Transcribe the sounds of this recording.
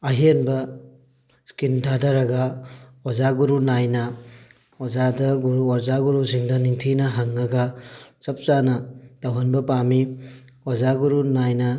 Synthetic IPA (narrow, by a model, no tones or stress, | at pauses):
ɐɦienbɐ | skintʰadɐɾɐɡɐozaɡuɾunajnɐ | ozadɐɡuɾuɔɾzaɡuɾusiŋdɐniŋtʰinɐɦɐŋːɐɡɐt͡ʃɐp̚t͡ʃanɐd̥awɦɐnbɐpami | ozaɡuɾunajnɐ